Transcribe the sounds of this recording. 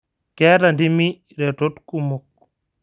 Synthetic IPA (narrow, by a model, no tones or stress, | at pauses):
kɛɾandimi | ɾɛtotkumuk̚